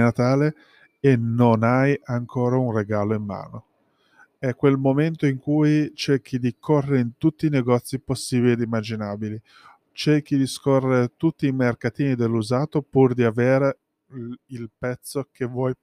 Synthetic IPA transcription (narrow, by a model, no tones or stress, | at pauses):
nat̪aːle | enonajaŋkʰoːɾaunreɡaːloimːa̰ːno | ɛkːwelmoment̪oiŋkujt͡ʃerk̟id̪ikʰorːeɾeint̪ut̪ːiːneɡɔt̪sːiposːiːbilied̪imːad͡ʒinaːbili | t͡ʃerk̟id̪iskorːeɾet̪ut̪ːiːmerkat̪iːnid̪elːuzaːt̪opurd̪iaveːɾe | ilpɛt̪sːokevwɔj